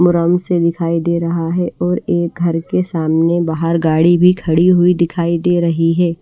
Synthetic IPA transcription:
mʊɾəmsed̪ɪkʰaːid̪eːɾɐɦaɦɛʔɔːɾeːk̚ɡʱɐɾkesaːmnebaːɦəɾɡaːɽibʱikʰɐɽiɦuid̪ɪkʰaːid̪eːɾɐɦiɦɛː

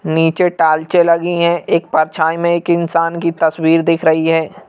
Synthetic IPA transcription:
niːt͡ʃeʈaːlt͡ʃelɐɡiɦɛ̃eːk̚pɐɾt͡ʃʰaːimẽeːkɪnsaːnkit̪ɐswiːɾd̪ɪkʰɾɐɦiɦɛː

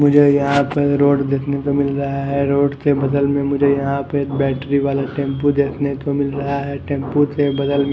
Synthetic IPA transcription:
mʊd͡ʒʱejɐɦãpɐɾoːɖd̪eːkʰnet̪omɪlɾɐɦaɦɛɾoːɖt̪ebɐd̪əlmẽmʊd͡ʒʱejɐɦãpəbɛːʈɾiʋaːlaʈẽːmpud̪eːkʰnet̪omɪlɾɐɦaɦɛʈẽːmput̪ebɐd̪əlmẽ

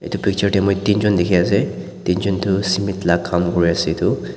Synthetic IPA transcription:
ḛt̪upik̚t͡ʃʌɾʈimɔjt̪ind͡ʒɔnd̪ekʰijase | t̪ind͡ʒɔnt̪ʰusimit̪lakʰamɡɔɾjaset̪ʰu

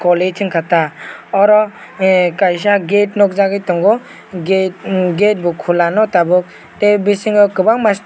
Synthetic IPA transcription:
kɔlesʰiŋkʰataɔɾɔ | kajs̬aɡet̚nɔk̚zaɡɯjtɔŋɡɔ | ɡɡet̚bɔkʰulanɔtabɯk̚ | tebisiŋɯkɯbaŋmast

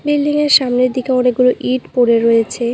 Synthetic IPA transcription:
bilːiŋeɾʃamneɾd̪ikeoneɡuloʔiʈpoɽeɾoet͡ɕʰe

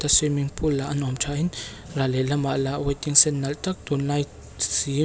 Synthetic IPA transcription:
t̪asimiŋpʰulːaʔanɔmt͡ʃaʔin | ɾalelamaʔlaʔwajt̪iŋsɛnːalt̪ak̚t̪unaj | si

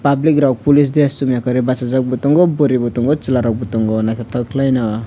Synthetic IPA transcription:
pablikɾaw̚pulis̬d̪esːumjakʌɾibat͡sad͡zʌk̚but̪uŋɡoboɾibut̪uŋɡot͡silaɾɔk̚but̪uŋɡonakʰet̪ʰʌkʰlajnʌ

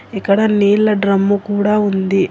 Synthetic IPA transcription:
ikːɐɽɐniːɭːɐɖɾɐmːukuːɽaːund̪i

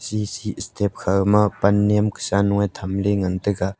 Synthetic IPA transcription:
sisiʔəst̪ʰɛp̚kʰamapɐnːɛmkə̥sanuŋajt̪ʰɐmleŋant̪ɯka

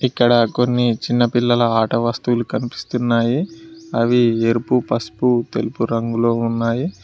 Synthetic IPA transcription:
ikːɐɽɐko̞nːit͡ʃinːɐpilːɐlɐaːʈɐʋɐst̪uwlukɐnipi̥st̪unːaːjiɐʋieɾupupɐsput̪elupuɾɐŋɡulo̞ːunːaːji

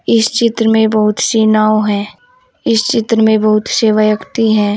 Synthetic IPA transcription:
ɪst͡ʃɪt̪ɾəmẽbɐɦʊt̪siːnaːwoɦɛ̃ː | ɪst͡ʃɪt̪ɾəmẽbɐɦʊt̪seːʋajəkt̪iɦɛ̃ː

